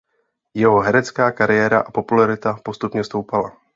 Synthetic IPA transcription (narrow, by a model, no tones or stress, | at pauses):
jɛɦo̞ɦɛɾɛt͡skaːkaɾɪjɛːɾa̰ʔapo̞pulaɾɪt̪apo̞st̪upɲɛst̪o̞wpala